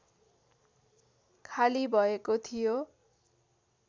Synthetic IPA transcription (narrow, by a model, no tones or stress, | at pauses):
kʰalibʱʌekot̪ʰijo